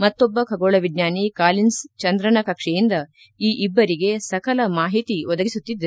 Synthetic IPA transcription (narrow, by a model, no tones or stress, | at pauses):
mɐt̪ːobːɐkʰɐɡoːɭɐʋidɲaːnikaːlinst͡ʃɐnd̪ɾɐnɐkɐkʂɛjind̪ɐ | iːʔibːɐɾiɡe̞sɐkɐlɐmaːɦit̪iʋɔd̪ɐɡisut̪ːid̪ːɐ